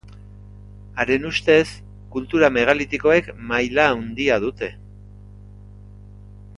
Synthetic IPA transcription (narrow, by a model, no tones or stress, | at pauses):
aɾe̞nust̪e̞s | kult̪uɾame̞ɣ̞alit̪iko̞e̞kmajlaːwnd̪iað̞ut̪e̞